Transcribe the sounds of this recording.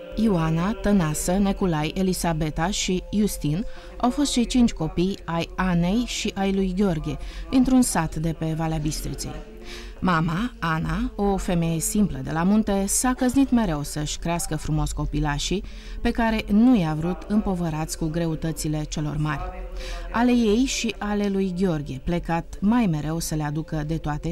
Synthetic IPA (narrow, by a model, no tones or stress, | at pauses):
iuanat̪ənasənekulaje̞lisabe̞t̪aʃijust̪in | awfo̞st̪t͡ʃejt͡ʃint͡ʃʲko̞pijajane̞jʃiʔajlujɡʲo̞rɡʲed̪int̪ɾunsat̪d̪e̞pe̞valeabist̪ɾḭt̪sḛj | mamaanao̞fe̞me̞je̞simpləd̪e̞̰lamunt̪e̞sakəznit̪me̞ɾe̞wsəʃʲkɾeaskəfɾumo̞sʲko̞pilaʃi | pe̞kaɾe̞nujavɾut̪ɨmpo̞vəɾat̪sʲkuɡɾe̞ut̪ət̪sile̞t͡ʃe̞lo̞̰rmarʲale̞je̞jʃiʔale̞lujɡʲeo̞rɡʲieple̞kat̪majme̞ɾe̞wsəle̞ad̪ukəd̪e̞t̪oat̪e̞